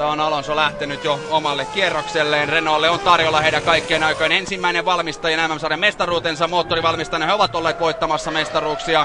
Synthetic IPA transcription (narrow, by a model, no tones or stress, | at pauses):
ɑonɑlonsolæht̪enyt̪joomɑlːekkierːokselːeːnrenolːeont̪ɑrjolːɑheidækɑikːˑeːnɑikɑinensimːæineʋʋɑlmist̪ɑjɑnæmːæmsɑːremest̪ɑruːt̪ensɑmoːt̪ːoriʋɑlmist̪ɑnːɑheoʋɑt̪olːeːt̪ʋoit̪ːɑmɑsːɑmest̪ɑruːksiɑ